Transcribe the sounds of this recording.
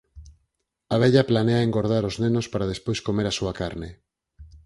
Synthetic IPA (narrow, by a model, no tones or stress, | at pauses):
aβ̞ɛʎaplaneaeŋɡoɾð̞aɾoznenospaɾað̞espojskomeɾasuakaɾne